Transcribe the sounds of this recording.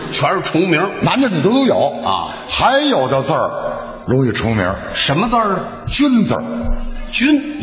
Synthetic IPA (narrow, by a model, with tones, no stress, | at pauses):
t͡ɕʰwɛ˧˥˧ʈ͡ʂʰʊ˧˥ŋmi˧˥na˧˥nd̪ə˨˩nu˨˩t̪o˥ʊt̪o˥jo˨˩˦ʊ̰˧ | xa˧˥ɪjo˨˩ʊʈ͡ʂə˧t͡sə˞˥˧˩ | ɻʊ˧˥ŋi˨˥˩ʈ͡ʂʰʊ˧˥ŋmḭ˧˥ | ʂə˧˥nmə˧t͡sə˥˧˩ | t͡ɕy˥nt͡sə̰˞˨˩t͡ɕy˥n